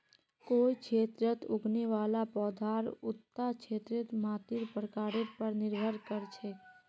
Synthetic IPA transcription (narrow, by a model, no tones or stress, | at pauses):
koːikʰeːt̪ɾət̪ʊɡneʋaːlapɔːd̪ʱaːɾʊt̪ːat͡ʃʰeːt̪ɾət̪maːt̪iɾpɾəkaːɾepəɾnɪɾbʱəɾkəɾt͡ʃʰe